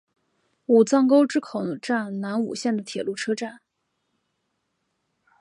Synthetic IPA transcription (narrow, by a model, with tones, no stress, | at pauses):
u˨˩t͡sɑ˥˧ŋko˥ʊʈ͡ʂɻ̩˥kʰo˨˩ʊʈ͡ʂa˥˩nna˧˥nṵ˨˩ɕjɛ˥˩nd̪ə˩t̪ʰjɛ˨˩lu˥˩ʈ͡ʂʰɤ˥ʈ͡ʂa˥˩n